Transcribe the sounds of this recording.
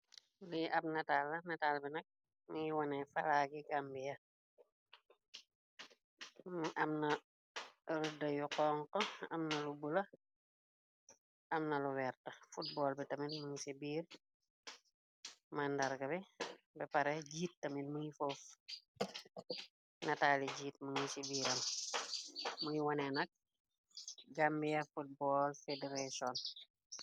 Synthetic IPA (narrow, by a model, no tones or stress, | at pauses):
liʔɐp̚nɐtaːlːɐnɐtaːlbinɐk̚ | muŋiwɔnɛfɐlaɡiɡambijɐ | mʔɐmnɐ | ɾudɐjuqɔːŋqɔɐmnɐlubulɐ | ɐmnɐluwɛrtɐfut̚bɔːlbitɐmitmuŋsibiːr | mandɐɾɡɐbibɛpɐɾɛɟiːt̚ːɐminmuɲifof | nɐtaːliɟiːt̚muɲisibiːɾɐm | mujiwɔnɛnɐk̚ | ɡambijɐfut̚bɔːlfedeɾasɔn